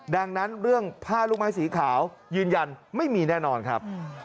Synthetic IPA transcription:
da˧ŋna˦˥nɾɯ˥˩əŋpʰaː˥˩lu˦˥k̚maː˦˥jsiː˩˦kʰaː˩˦wjɯː˧nja˧nma˥˩jmiː˧nɛː˥˩nɔː˧nkʰɾa˦˥p̚

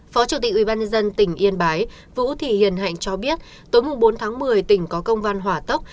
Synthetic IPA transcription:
fɔ˨˦t͡ɕu˧˩t̪i˨˩k̟ʔwi˧˩ɓaː˧ɲə˧nzə˧nt̪ï˧˩ŋ̟ʔi˧ənɓaː˨˦j | vṵ˧˥t̪ʰi˧˩hḭ˧˩ənɦa̰˧˨jŋ̟t͡ɕɔ˧ɓi˦˥ət̚ | t̪o˨˦jmʊ˨˩ŋ͡mɓo˨˦nt̪ʰaː˨˦ŋmɨ˨˩əjt̪ï˧˩ŋ̟kɔ˨˦kə˧wŋ͡mva˧nɦwaː˧˩t̪ə˦˥wk͡p̚

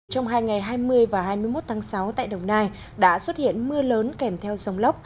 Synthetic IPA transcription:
t͡ɕɔ˧wŋ͡mɦaː˧jŋa˨˩jɦaː˧jmɨ˧əjvaː˨˩ɦaː˧jmɨ˧əjmo˦˥t̚t̪ʰːŋsa˨˦wt̪a̰ː˧˨jɗə˨˩wŋ͡mnaː˧j | ɗa̰ː˧˥swə˦˥t̚hḭ˧˨ənmɨ˧ələː˨˦nkɛ˧˩mt̪ʰɛ˧wsə˨˧wŋ͡mlə˦˥p̚

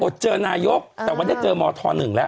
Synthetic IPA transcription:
ʔo˨˩t̪̚t͡ɕɤː˧naː˧jo˦˥k̚t̪ɛː˨˩waː˥˩da˥˩jt͡ɕɤː˧mɔː˧t̪ʰɔ̰ː˧nːɯ˨˩ŋlɛ˦˥ʔ

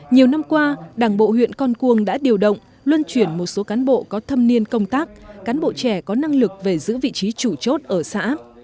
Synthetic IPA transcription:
ɲi˨˩əwna˧mkwaː˧ɗaː˧˩ŋɓo̰˧˨hwḭ˧˨ənkɔ˧nku˧əŋɗa̰ː˧˥ɗi˨˩əwɗə̰˧˨wŋ͡m | lwə˧nt͡ɕwi˧˩ənmo˨˩t̚so˨˦kaː˨˦nɓo̰˧˨kɔ˨˦t̪ʰə˧mni˧ənkə˧wŋ͡mt̪aː˦˥k̚ːaː˨˦nɓo̰˧˨t͡ɕɛ˧˩kɔ˨˦na˧ŋlɨ˨˩k̚ve˨˩zɨ̰˧˥vḭ˧˨t͡ɕi˨˦t͡ɕu˧˩t͡ɕo˦˥t̚ʔəː˧˩sa̰ː˧˥

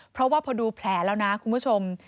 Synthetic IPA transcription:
pʰɾɔ˦˥waː˥˩pʰɔː˧duː˧pʰlɛː˩˦lɛː˦˥wna˦˥kʰu˧npʰu˦˥˩t͡ɕʰo˧m

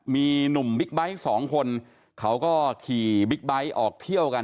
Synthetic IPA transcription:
miː˧nu˨˩mbi˦˥k̚ba˦˥jsɔː˩˦ŋkʰo˧n | kʰa˦˥wkɔː˥˩kʰiː˨˩bi˦˥k̚ba˦˥jʔɔː˨˩k̚t̪ʰi˥˩əwka˧

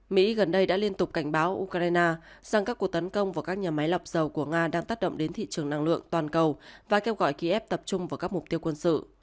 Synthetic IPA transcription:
mḭ˧˥ɣə˨˩nɗə˧jɗa̰ː˧˥li˧ənt̪ʊ˨˩k͡p̚ka˧˩jŋ̟ɓaː˨˦wʔu˧kɾaː˧jnaː˧za˨˩ŋkaː˦˥kːu˨˩ək̚t̪ə˨˦nkə˧wŋ͡mvaː˨˩kaː˦˥k̚ɲaː˨˩ma˨˦jla˨˩wp̚z̥ə˨˩wku˧˩əŋaː˧ɗaː˧ŋt̪aː˦˥t̚ɗə̰˧˨ŋ͡mɗe˨˦nt̪ʰḭ˧˨t͡ɕɨ˨˩əŋna˧ŋlɨ̰˧˨əŋt̪waː˨˩nkə˨˩wvaː˨˩ke˧wɣɔ̰˧˨jki˧ʔɛ˦˥p̚t̪ə˨˩p̚t͡ɕʊ˧ŋ͡mvaː˨˩kaː˦˥k̚mʊ˨˩k͡p̚t̪i˧ə˧wkwə˧nsɨ̰˧˨

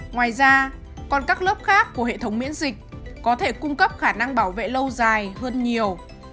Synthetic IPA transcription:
ŋwaː˨˩jzaː˧ | kɔ˨˩nkaː˦˥k̚lə˦˥p̚xaː˦˥kːu˧˩əɦḛ˧˨t̪ʰə˨˦wŋ͡mmḭ˧˥ənzï˨˩k̟̚kɔ˨˦t̪ʰe˧˩kʊ˧ŋ͡mkə˦˥p̚xaː˧˩na˧ŋɓaː˧˩wvḛ˧˨lə˧wzaː˨˩jɦəː˧nɲi˨˩əw

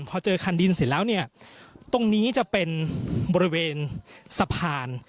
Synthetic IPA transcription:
pʰɔː˧t͡ɕɤː˧kʰa˧ndi˧nsi˨˩˦lɛː˦˥wni˥˩ɐt̪o˧ŋniː˦˥t͡ɕa˨˩pe˧nbɔː˧ɾi˦˥weː˧nsa˧pʰaː˧n

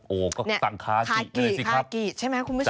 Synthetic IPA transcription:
ʔoː˨˩kɔː˥˩ni˥˩a˨˩ŋkʰaː˦˥pʰaː˧˩kiː˧˩˨si˧kʰa˦˧˦p̚kiː˨˩t͡ɕʰa˥˩mɛ˦˥kʰu˧nbu˦˥˩

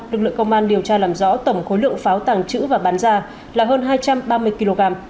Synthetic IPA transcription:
lɨ˨˩k̚lɨ̰˧˨ə˨ŋkə˧wŋ͡mʔaː˧nɗi˨˩əwt͡ɕaː˧laː˨˩mzɔ̰˧˥t̪ə˧˩ŋ͡mxo˨˦jlɨ̰˧˨əŋfaː˨˦wt̪aː˨˩ŋt͡ɕɨ̰˧˥vaː˨˩ɓaː˨˦nzaː˧ | laː˨˩ɦəː˧nɦaː˧jt͡ɕa˧mɓaː˧mɨ˧əjki˧lo˧ɣaː˧m

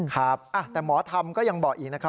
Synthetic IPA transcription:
kʰɾa˦˥p̚ʔa˧˩t̪ɛː˨˩mɔː˩˦t̪ʰa˧mkɔː˥˩ja˧ŋbɔː˨˩k̚ʔiː˨˩k̚na˦˥kʰɾa˦˥

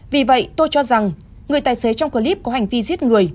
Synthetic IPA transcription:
vi˨˩və̰˧˨jt̪o˧jt͡ɕɔ˧za˨˩ŋ | ŋɨ˨˩əjt̪aː˨˩jse˨˦t͡ɕɔ˧wŋ͡mkəː˧li˦˥p̚kɔ˨˦ha˨˩jŋ̟vi˧zi˦˥t̚ŋɨ˨˩əj

